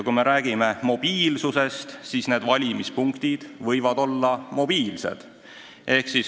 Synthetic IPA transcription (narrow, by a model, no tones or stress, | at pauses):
kume̞ɾæːɡ̥ime̞mo̞b̥iːlsuse̞st̪sisne̞ːd̪vɑlʲimispuŋkt̪id̪̥vɤjvɑd̪̥o̞lːɑmo̞b̥iːlse̞̰d̪̥ | ʔe̞hksis